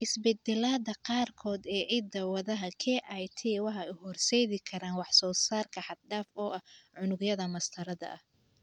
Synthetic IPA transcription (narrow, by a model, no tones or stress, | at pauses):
ʔɪsbɛd̪ɛlaːðɐqɑːrkʰɔːd̪ɛːʕɪd̪ɐwɐðɐɦɐkʰɛʔajt̪ʰɛwɑħɑʊhɔrsɛːðɪkʰɐɾaːnwɑħsɔːsaːrkʰɐħɑd̪̚ɖaːfɔːʔɐhʕʊnʊɡjɐðɐmɐst̪ʰɐɾɐðɐ̰ʔɐh